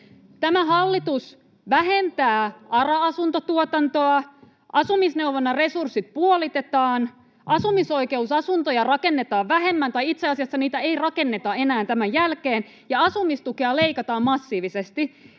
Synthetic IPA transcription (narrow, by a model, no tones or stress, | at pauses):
t̪æmæɦɑlːit̪us | ʋæɦent̪æːɑrɑɑsunt̪ot̪uot̪ɑnt̪oɑ | ʔɑsumisne̞wʋonːɑre̞sursːit̪̚puolit̪et̪ɑːn | ʔɑsumiso̞ike̞usɑsunt̪ojɑrɑkenːet̪ɑːʋʋæɦemːænt̪ɑjit̪seɑsiɑsːɑniːt̪æeirɑke̞nːet̪ɑe̞næːnt̪æmæjjælkeːn | jɑɑsumist̪ukeɑle̞ikɑt̪ɑːmmɑsːiːʋisest̪i